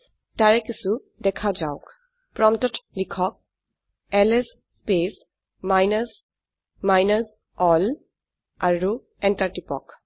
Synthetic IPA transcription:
taɹɛkisu | dɛkʰad͡ʒaʊk | pɹɔmtɔtlikʰɔk̚ | ɛlɛs | spes | majnas | majnas | ɔl | aɹu | ɛntaɹtipɔ̰k

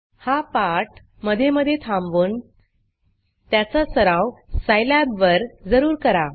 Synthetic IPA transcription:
hapaɾʈ | məd̪ʱjeməd̪ʱːjet̪ʰamʋuːn | t̪jat͡sasəɾãwsajlabʋəɾd͡zəɾuːɾkəɾa

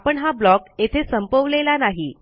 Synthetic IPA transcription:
pəɳɦablɔket̪ʰesəmpəʋlelanaɦi

